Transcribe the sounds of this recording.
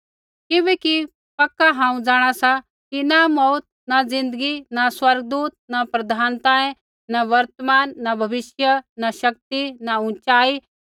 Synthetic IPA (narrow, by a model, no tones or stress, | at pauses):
kɪʋɛːki | pɐkːaɦãːũd͡zaːɽ̃asa | kinamɔːt̪̚nad͡zɪ̃nd̪əɡinaswɐɾɡd̪uːt̪̚napɾɐd̪ʱaːnt̪aːẽ | naʋɐɾt̪əmaːnːabʱɐʋɪʃjənaʃɐk̚t̪inaʊ̃t͡ʃaːi